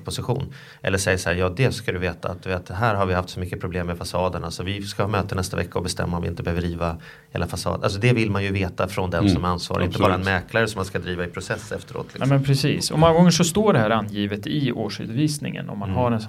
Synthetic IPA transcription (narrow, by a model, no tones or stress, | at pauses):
pʰʊsɪɧṵːn | ʔɛ̰lːəʂɛjːəʂahæːjɑːd̪ɛskad̪ɵveːt̪aːt̪d̪veːt̪ɦæːɾɦaɾvɪhaft̪sɔmʏkːəpʰɾʊbleːmːɛfasɑːd̪əɳalsɔvɪskahɑːmøːt̪ənɛst̪avɛ̰kːaɔbɛst̪ɛ̰mːaɔmvɪɪnt̪əbɛhøvd̪ɾiːva | heːlafasɑ̰ːd̪a̰ls̬ɔd̪ɛvɪlmanjɵveːt̪afɾɔnd̪ɛmsɔmaansvɑ̰ːɾʔɪnəbɑːɾaɛnmɛːklaɾəsɔmːanskad̪ɾiːvaɪpʰɾʊsɛsːɛft̪əɾo̰ːt̪ʰlmɛnpʰɾɛsiːsɔmɔŋːaɡɔŋːəʂɔst̪oːɖɛɦæːɾanjiːvət̪ɪoːʂʉ̟̰ːd̪viːsnɪ̰ŋə̰nɔ̰mːanɦaɾɛns